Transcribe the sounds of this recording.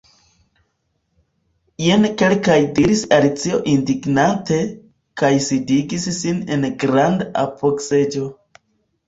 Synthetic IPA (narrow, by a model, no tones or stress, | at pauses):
jenke̞lkajdiɾisalit͡sio̞ʔindiɡnante̞ | kajsidiɡisːine̞nɡɾandaa̰po̞kse̞d͡ʒo̞